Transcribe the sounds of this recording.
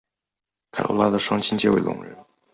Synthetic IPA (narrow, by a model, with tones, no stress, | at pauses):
kʰa˨˩lʔo̰˧˥la˥d̪ə˨ʂwɑ˥ŋt͡ɕʰi˥ŋt͡ɕjɛ˥we˥˩ɪlʊ̰˨˩ŋɻə̰˧˥n